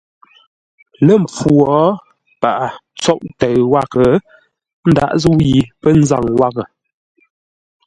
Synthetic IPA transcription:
lə˦˨m˨p͡fu˨ɔ˨˦ | pa˨ʔa˨t͡sɔ˦ʔtɛ˨ɰwa˦kə˨ | n̩˦da̰˦˨ʔzu˦ji˨pə˦n̩˦za̰˦˨ŋwa˦ɣə˨

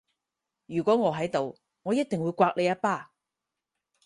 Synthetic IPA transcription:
jyː˨˩kʷɔː˨˥ŋɔː˨˧ɦɐ˨˥jt̪o˨w | ŋɔː˨˧jɐ˥t̚t̪ɪ˨ŋwuː˨˧jkʷaː˧k̚le˨˧jɐ˥t̚paː˥˩

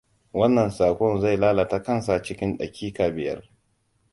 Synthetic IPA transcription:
wɐ˦nːɐ˨nsaː˨kʷɔ˦˨nza˦˨jlaː˦la˨ta˦kɐ˦nsa˨t͡ʃɪ˦kʲɪ˦nɗɐ˨kʲʰiː˦kaː˨bɪ˨jɐ̰˦r

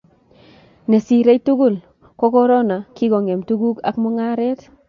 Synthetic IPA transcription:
ne˨si˨ɾe˦jtu˦ku˦l | ko˦kɔ˦ɾo˦na˨ki˦kɔ˨ŋe˨mtu˦ɡu˦ka̰˦kmɔ˦ŋa˦ɾɛ˦t

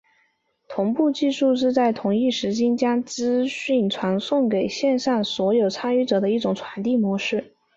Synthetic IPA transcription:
t̪ʰʊ˧˥ŋpu˥˧t͡ɕi˥˧ʂu˥˧ʂ̬ɻ̩˥˧t͡sa˥˩ɪt̪ʰʊ˨˩ŋi˥˩ʂɻ̩˧˥t͡ɕi˥nt͡ɕjɑ˥ŋt͡sɹ̩˥ɕi˥˩nʈ͡ʂʰwa˧˥nsʊ˥˩ŋke˨˩ɪɕjɛ˥˧nʂɑ˥˩ŋswɔ˧˥jo˨˩ʊʈ͡ʂʰa˥ny˥˩ʈ͡ʂɤ˨˩d̪ə˦i˥˩ʈ͡ʂʊ˨˩ŋt͡sʰwa˧˥nt̪i˥˩mwɔ˧˥ʂɻ̩˥˩

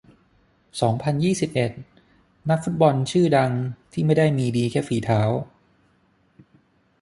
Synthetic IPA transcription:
sɔː˩˦ŋpʰa˧njiː˥˩si˨˩p̚ʔe˨˩t̪̚ | na˦˥k̚fu˦˥t̪̚bɔ˧nt͡ɕʰɯː˥˩da˧ŋt̪ʰiː˥˩ma˥˩jda˥˩jmiː˧diː˧kʰɛː˦˥˩fiː˩˦t̪ʰaː˩˦w

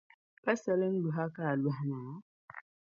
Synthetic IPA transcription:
pa˦sɛ˦li˦n̩˦lu˨ɦa˦ka˦˨la˨hna˨ɔ˦

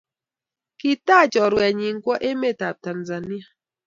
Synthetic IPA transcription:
ki˨ta˦˨t͡ʃɔ˨ɾwɛ˨ɲi˨ŋ̩˦kwɔ˦ʔe˦me˦˨ta˨ta˨nza˨ni˦a˨

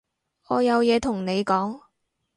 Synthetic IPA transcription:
ɔː˨˧jɐ˨˧wjɛː˨˧t̪ʰʊ˨˩ŋne˨˧jkɔː˨˥ŋ

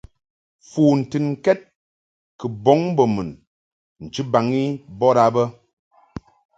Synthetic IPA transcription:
fuː˨n̩˨tɨ˨nŋ̩˨kɛ˦t̚ | kə˨bɔ˦ŋbə˨mɨ˨n | n̩˨t͡ʃɨ˦ba˨ŋi˦bɔ˦ɾa˨˦bə˦

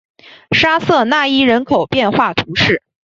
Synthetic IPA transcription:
ʂa˥sɤ˥˧na˥˩i˥ɻə˧˥nkʰo˨˩ʊpjɛ˥˧nxwa˥˩t̪ʰu˧˥ʂɻ̩˥˩

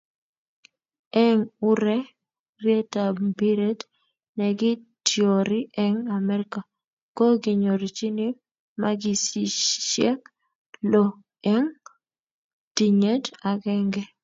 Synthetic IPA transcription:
ɛ˦ŋʊ˦ɾɛ˦ | rje˦ta˨bi˦ɾe˦d | nɛ˨ɡɪ˦tjo˨ɾɪ˦ʔɛ˦ŋa˨mɛ˦ɾɪka˨ | ko˦ɡɪ˨ɲo˨ɾi˨t͡ʃi˦ni˦ | maɡɪ˦si˨ʃjɛ˦k | lo˨ | ɛ˦ŋ | ti˨ɲe˦da˨ɡɛ˦ŋɡɛ˦

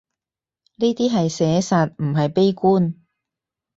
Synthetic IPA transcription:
ni˥t̪iː˥ɦɐ˨jsɛː˨˥sa˨t̚m̩˨˩ɦɐ˨jpe˥jkuː˥n

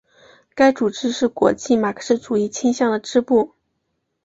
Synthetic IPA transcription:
ka˥ɪʈ͡ʂu˨˩ʈ͡ʂɻ̩˥ʂɻ̩˥˩kwɔ̰˧˥t͡ɕi˥˩ma˨˩kʰə̥˥ʂɻ̩˥˩ʈ͡ʂu˨˩i˥˩t͡ɕʰi˥ŋɕjɑ˥˩ŋd̪ə˩ʈ͡ʂɻ̩˥pu˥˩

